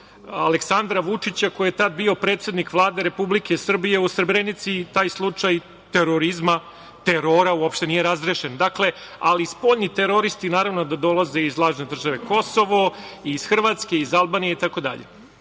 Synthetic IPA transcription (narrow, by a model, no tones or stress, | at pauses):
a̰leksand̪ɾaʋut͡ʂit͡ɕakojjet̪ad̪̚bio̞pɾet̪se̞d̪nikʋlˠaːd̪e̞ɾepublike̞sr̩bije̞usr̩bɾenit̪sit̪aːjslˠut͡ʂaj | t̪e̞ɾo̞ɾizma | t̪eɾoɾauopʃt̪e̞nije̞ɾazɾeʃend̪akle̞alispo̞ːʎnit̪eɾo̞ɾist̪inaːɾaʋno̞d̪ad̪o̞lˠaze̞izlˠaːʒne̞d̪r̩ʒaʋe̞ko̞so̞ʋo̞isxr̩ʋat̪ske̞izalˠbaːnijeit̪ako̞d̪a̰ʎḛ